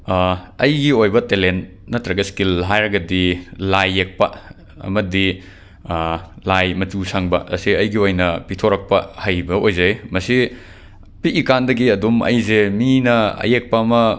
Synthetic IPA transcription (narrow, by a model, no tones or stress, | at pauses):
ɐjɡiojbɐtelent | nɐtɾɐɡɐskilɦajɾɐɡɐdilajːek̚pɐ | ɐ̰mɐdi | lajmɐtusaŋbɐ̰ʔɐ̰siɐjɡiojnɐpitʰoɾɐk̚pɐhajbɐʔojzɐjmɐsi | piʔːkandɐɡiɐdumɐ̰jzeminɐɐ̰jek̚pɐɐmɐ